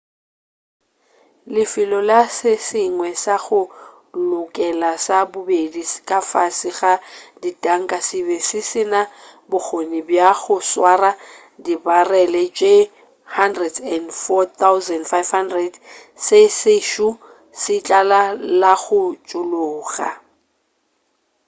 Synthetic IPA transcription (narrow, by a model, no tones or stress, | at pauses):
lɪfɪlɔlasɪsɪŋwɛsaɣʊ | lʊkʼɛlasabʊbediskʼafasɪɣaditʼaŋ̩kʼasɪbɛsɪsɪnabʊk͡xonibjaɣʊswara | dibarɛlɛt͡ʃʼe | handrɛdɛndfɔtʰawzɛndfajfhandrɛdsɪsɪʃu | sɪt͡ɬʼalalaɣʊt͡ʃʼʊlʊːɣa̰